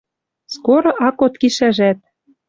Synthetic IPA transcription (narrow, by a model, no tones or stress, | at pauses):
skoɾŏʔɑkot̪kiʃæʒæt̪̚